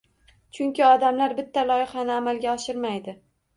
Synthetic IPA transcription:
t͡ʃʰʊŋkʲɪɒd̪amlaɾbɪt̪ʰːalɒjɪχanɪamalɡʲaɒʃɪɾmajd̪ɪ

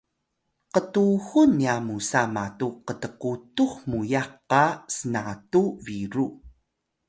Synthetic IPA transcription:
qətuxuniamusamatuqətəqutuxmujaqːasənatuviɾu

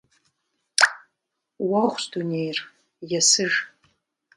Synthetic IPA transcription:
wɐχʷsdunejr | jɛsɨʒ

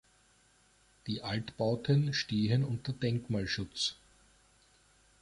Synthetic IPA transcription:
d̥iːʔaltb̥aʊtʰənʃtiːɦənʊntəd̥ɛŋkmaːlʃʊt͡s

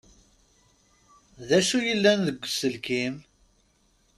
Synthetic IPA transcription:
ðæʃujəlːænðəɡʷːsəlkim

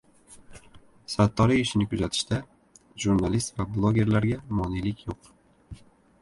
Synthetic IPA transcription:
sat̪ʰːɒɾiɪʃɪnɪkʰʊzat̪ʰɪ̥ʃt̪a | ʒuɾnalist̪vablˠoɡʲe̞ɾlaɾɡʲamɒnilɪkʲjoq

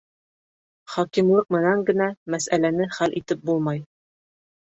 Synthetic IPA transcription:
χɒkimlˠɤqmɘ̆næŋɡɘ̆næmæsælænɘχælʔit̪ɘp̚bulˠmɑj

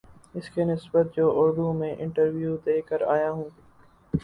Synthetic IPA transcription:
ɪskenɪsbət̪̚d͡ʒoːʔʊɾd̪ũmẽʔɪ̃ɳʈəɾʋjuːd̪eːkəɾaːjaɦũː

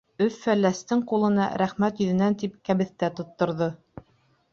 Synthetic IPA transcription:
ɵfːælːæst̪ɘɴqulˠɤ̆nɑ̰ɾæχmæt̪jɵ̆ðɘ̆nænt̪ip̚kæβɘ̆θt̪æt̪ŏt̪ːŏɾðɤ

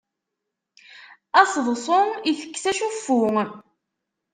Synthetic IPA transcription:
ɑsˤðˤsˤoiθə̥kːθæʃufːʊ

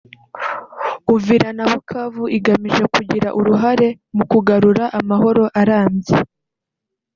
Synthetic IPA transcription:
uviɾanaβukʰavuiɡamiʒe̞kuɟiɾaʔuɾuɦaɾe̞ | mukuɡaɾuɾaʔamaɦo̞ɾo̞ʔaɾaːmje

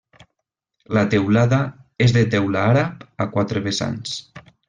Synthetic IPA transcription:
lat̪ewlaðaezðet̪ɛwlaaɾapakwat̪ɾeβesa̰ns

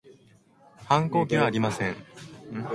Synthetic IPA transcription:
hãŋko̞ːk̬ʲiβaːɾʲimasẽ̞ŋ

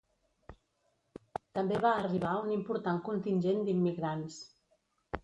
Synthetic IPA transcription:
t̪əmbeβaːriβ̞aunimpuɾt̪aŋkunt̪inʲʒend̪imːiɣɾans

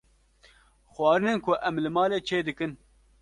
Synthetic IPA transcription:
xwɑːɾɨnɨnkʰʊʔɛmlɨmɑːleːt͡ʃʰeːd̪ɨkɨn

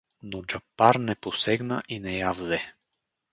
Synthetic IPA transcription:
nod͡ʒapːaɾnɛposɛɡnə̰ʔinɛjavzɛ

